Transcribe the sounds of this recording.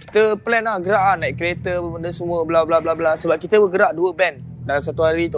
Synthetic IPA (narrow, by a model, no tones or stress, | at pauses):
ki̥t̪əpəlɛnahɡəɾaʔahnaiʔkɾiet̪əbəməndəsəmũəblablablablasəbap̚kit̪əbəɡəɾaʔduəbɛndalams̬at̪uɦaɾit̪u